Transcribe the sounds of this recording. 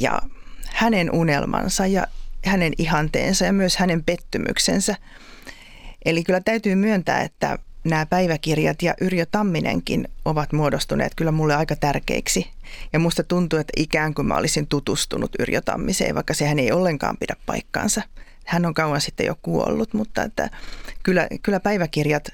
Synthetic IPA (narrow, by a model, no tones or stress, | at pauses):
jɑ̰hænenʔunelmɑ̰nsɑjɑhænenihɑnt̪ḛːnsɑjɑmyøshænempet̪ːymʔy̰ksḛnsæ | ʔelikylːæt̪æyt̪yːmyønt̪æ̰ːet̪ːæ̰næːpæiʋækirjɑt̪jɑʔyrjot̪ɑmːinḛŋkḭnoʋɑt̪muodost̪unḛːt̪kylːæmulːeɑikɑt̪ærkḛiksijɑmust̪ɑt̪unt̪uet̪ːæʔikæːŋkumʔæ̰o̰lisint̪ut̪ust̪unut̪y̰rjo̰t̪ɑ̰mːisḛːʋʔɑ̰ikːɑsehæneiolːeŋkɑ̰ːmpidæppɑ̰ikːɑ̰ːnsɑ | hænːoŋkɑuwɑnsit̪ːḛjo̰kkuo̰lːut̪mut̪ːɑ̰ḛt̪ːæ̰kylːæ̰kylːæpæiʋækirjɑt̪